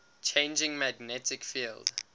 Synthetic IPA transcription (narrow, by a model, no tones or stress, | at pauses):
t͡ʃʰẽɪ̃nd͡ʒɪ̃ŋmæɡnɛtɪkfiːld